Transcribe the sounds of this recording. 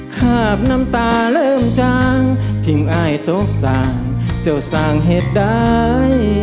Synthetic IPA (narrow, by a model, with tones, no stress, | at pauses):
kʰaː˧˩p̚na˧˥mt̪aː˧lɤː˧˨mt͡ɕaː˧ŋt̪ʰi˧˩mʔaː˧˩jt̪o˧˦˥k̚saː˧ŋt͡ɕa˧˩wsaː˧˩ŋɦe˨˧˩t̪̚da˦˥˩j